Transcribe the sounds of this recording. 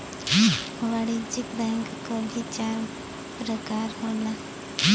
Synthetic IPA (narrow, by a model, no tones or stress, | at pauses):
ʋaɽid͡ʑikbɛ̃ŋkkəbʱit͡ɕaɾ | pɾəkaɾɦola